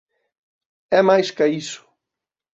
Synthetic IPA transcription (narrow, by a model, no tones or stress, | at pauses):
ɛmajskaisʊ̥